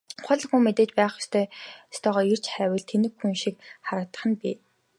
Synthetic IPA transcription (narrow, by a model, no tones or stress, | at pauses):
χʊɮə̆χxuːmet̪eːt͡ɕpæːχʊst̪ʰœːst̪ʰɔːʁɔːir̥t͡ɕχæːwɘ̆ɮt̪ʰenɘ̆kxunʃik̚χaɾəːt̪ə̆χə̆npiː